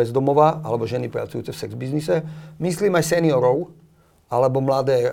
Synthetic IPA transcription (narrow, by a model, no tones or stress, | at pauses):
ɛzd̪ɔmɔʋaalɛbɔʒɛnipɾa̰t͡sujuːt͡sɛfsɛɡzbiznisɛmisliːmajsɛniɔɾɔʊ | alɛbɔmlad̪ɛː